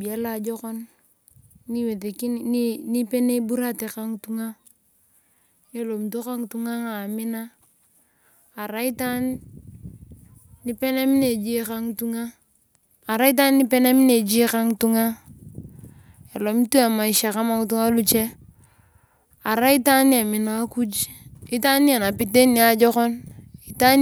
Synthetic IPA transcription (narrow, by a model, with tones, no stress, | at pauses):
bi˨a˦la˨d͡ʒɔ˦kɔ˦n | ni˦we˨te˨ki˦n˦ni˦pe˦ne˦bu˦ɾa˦te˨ka˦ŋtu˦ŋa˦ | je˦lo˨m˨to˦ka˦ŋtu˦ŋa˦ŋa˨mi˦na˦˨ | ɾa˦i˦ta˦n | i˦pe˦ne˦mi˦ne˨d͡ʒi˦ka˦ŋtu˦ŋaː˦˨ | ɾa˦i˦t̬a˦nːi˦pe˦ne˦m˦ne˨d͡ʒi˦ka˦ŋtu˦ŋa˦ | e˨lo˨m˦tu˦a˨ma˨i˨ʃa˨ka˦ma˦ŋ˦tu˦ŋa˦lu˦t͡ʃe˦ | a˨ɾa˦i˦ta˦ni˦a˨mi˨na˦ku˦d͡ʒi˦ta˦ni˦e˨na˨pi˨te˦ni˨˦a˨d͡ʒɔ˦kɔ˦ni˨ta˦